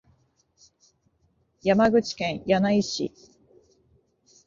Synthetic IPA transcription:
jamaɡɯ̟t͡ɕi̥kẽ̞ɰ̃janaiɕḭ

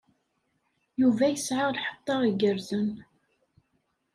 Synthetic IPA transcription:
juvæjəsʕəʁlħə̥t̪ˤːɑɾˤəɡəɾzən

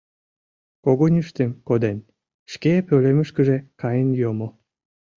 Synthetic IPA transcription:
koɣonʲyʃt̪emkod̪en | ʃkepøleməʃkəʒekɑjənjomo

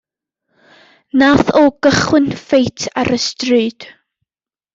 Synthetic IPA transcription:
naθɔɡ̥əχwɨnfejtʰaɾəstrɨːd̥

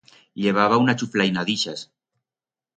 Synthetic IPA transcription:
ʎeβ̞aβ̞aunat͡ʃuflajnaðiʃas

